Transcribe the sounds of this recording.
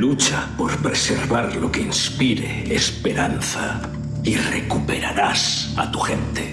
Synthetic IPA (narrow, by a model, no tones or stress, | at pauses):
lut͡ʃapo̞ɾpɾeseɾβaɾlokeinspiɾeːspeɾanθa | irekupeɾaɾasa̰t̪uxent̪e